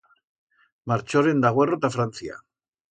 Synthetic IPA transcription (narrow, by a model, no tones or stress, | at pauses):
maɾt͡ʃo̞ɾe̞nd̪aɣ̞oero̞t̪afɾant͡sia̰